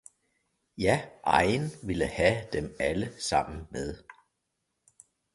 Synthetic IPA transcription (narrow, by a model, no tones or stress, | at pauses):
jæʔɑ̈ɪnʋiləhæd̥emæləsɑ̈m̰n̩meðˠ